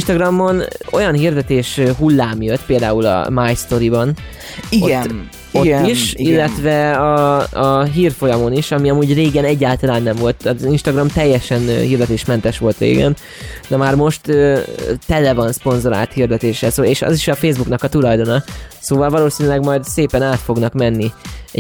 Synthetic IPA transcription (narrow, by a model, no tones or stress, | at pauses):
nʃt̪ɒɡrɒmːo̞no̞̰jɒnɦird̪ɛt̪eːʃɦulːaːmjøt̪ːpeːld̪aːulɒ̰maːjst̪o̞ɾibɒn | i | ot̪ːiʃillːɛt̪ʋɛɒ | ɦiːrfo̞jɒmo̞niʃɒmiɒmuːɟreːɡɛnɛɟːaːlt̪ɒlaːnːɛɱvo̞lt̪ɒzinʃt̪ɒɡrɒmt̪ɛjːɛʃɛnhiːrd̪ɛt̪eːʃmɛnt̪ɛʃʋo̞lt̪rḛːɡɛn | d̪ɛmaːrmo̞ʃt̪øt̪ɛlɛvɒnspo̞nzo̞ɾa̰ːlt̪hird̪ɛt̪eːʃɛlsoːeːʃɒ̰ziʃɒfeːzbuknɒkɒt̪ulɒjd̪o̞nɒsoːvɒlvɒloːsinylɛɡmɒjd̪seːpɛnaːt̪fo̞ɡnɒkmɛnːiɛ